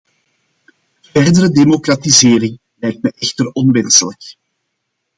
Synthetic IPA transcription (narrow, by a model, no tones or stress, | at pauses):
vɛrdəɾədemokratizeːɾɪŋ | lɛjk̚t̚mɛʔɛxtərɔnʋɛnsələk